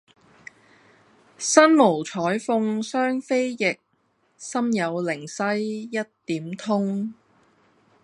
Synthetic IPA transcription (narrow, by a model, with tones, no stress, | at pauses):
sɐ˥nmo˨˩wt͡ʃʰɔː˨˥jfʊ˧ŋsœː˥ŋfe˥jjɪ˨k̚ | sɐ˥mjɐ˨˧wlɪ˨˩ŋsɐ˥jːɐ˥t̚t̪iː˨˥mt̪ʰʊ˥ŋ